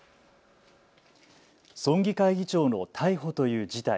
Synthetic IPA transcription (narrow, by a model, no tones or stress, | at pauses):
sõ̞ŋɡʲikaiɡʲit͡ɕo̞ːno̞t̪ʰaiɦo̞t̪o̞jɯ̟ːd͡ʑit̪a